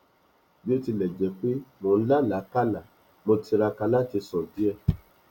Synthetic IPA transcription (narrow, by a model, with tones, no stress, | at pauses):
bi˦o˦ti˧lɛ˨d͡ʒɛ˨k͡pe˦mo˨n̩˦la˦˨la˨˦ka˦la˨ | mo˧ti˧ɾa˧ka˧la˦ti˧sɔ̃˨di˨˦ɛ˧